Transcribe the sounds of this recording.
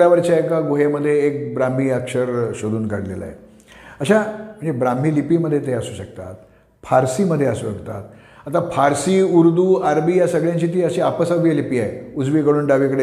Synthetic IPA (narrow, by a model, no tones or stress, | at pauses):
jaʋəɾt͡ɕaekaɡoɦeməd̪ʱːjeːk̚bɾam̤iːəkʂəɾɕod̪uːnkaɽlḛla̰ḛ | əɕam̤ə̃ɳd͡zebɾam̤iːlipiːməd̪ʱːjet̪ejəsuːɕək̚t̪a̰t̪̚ | fʰaɾsiːməd̪ʱːjeəsuːɕəkt̪a̰t̪̚ | at̪afʰaɾsiːuɾd̪uːaɾbiːjasəɡɭjãɲt͡ɕiːt̪̬iːəɕiapəsəʋjelipiːajud͡zʋiːkəɽuːnɖaʋikəɽe